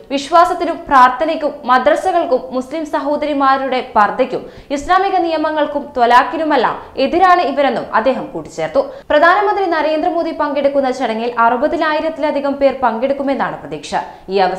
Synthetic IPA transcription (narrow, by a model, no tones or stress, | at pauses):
ʋiɕʋaːsɐt̪ːinumpraːrt̪ʰɐnikʲːumːɐd̪rɐsɐɣɐɭkumːuslimsɐɦo̞ːd̪ɐɾimaːɾuɽe̞pɐrd̪ʱɐkʲːum | islaːmiɣɐnijɐmɐŋːɐɭkumt̪wɐlaːkːinumɐlːa̰me̞ðiɾaːɳɨiʋɐɾe̞nːumɐ̰d̪ːe̞ːɦɐmkuːʈːi̥t͡ɕːe̞ːrt̪ːuprɐd̪ʱaːnɐmɐnd̪rinɐɾe̞ːnd̪rɐmo̞ːd̪ipɐŋɡe̞ɽukːunːɐt͡ɕɐɽɐŋːilʔɐrubɐðinaːjiɾɐt̪ːilɐd̪ʱiɣɐmpe̞ːrpɐŋɡeɽukːume̞nːaːɳɨprɐd̪iːkʂɐ̰ | iːɐʋɐ